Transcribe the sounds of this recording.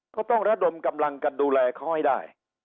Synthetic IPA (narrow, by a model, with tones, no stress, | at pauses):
kɔː˥˩t̪ɔ˥˩ŋɾa˦˥˩do˧mka˧mla˧ŋka˧nduː˧lɛː˧kʰa˦˥˩wha˥˩jdaː˥˩j